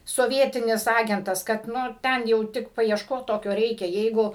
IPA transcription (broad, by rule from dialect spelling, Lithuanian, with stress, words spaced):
soːˈʋʲiɛtʲɪnʲɪs ˈɑːɡʲɛntɐs kɐt ˈnʊ ˈtʲɛn jɛʊ ˈtʲɪk pɐɪɛʃˈkoːt ˈtoːkʲoː ˈrʲɛɪkʲɛ ˈjɛɪɡʊ